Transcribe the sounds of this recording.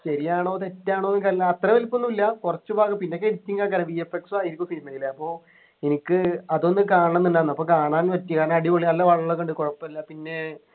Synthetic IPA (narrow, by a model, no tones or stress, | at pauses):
ɕɐɾijaːɳo̞ːt̪etːaːɳoːkɐlːt̪rɐʋelpːonːuilːɐkurɐt͡ɕːubaːkɐpinːe̞k̬ːeɾitʲːiŋɡaːkɐɾɐʋiːefeksɨaːjiɾikʲːumseɾunːeŋɡilːɐpːo̞ː | enikʲːɨɐðo̞nːɨkaːɳɐɳɐnːinːanːɐpːoːkaːɳaːnʋɐtːikaːɳɐɐɽiʋoɭiɐlːɐʋɐɭɐɐɭekːɐɳɖɨkoɻɐpːɐɐlːɐpinːe̞